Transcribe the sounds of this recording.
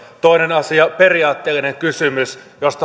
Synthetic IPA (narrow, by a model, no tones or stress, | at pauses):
t̪oinenɑsiɑperiɑːt̪ːeːlːineŋkysymysjost̪ɑ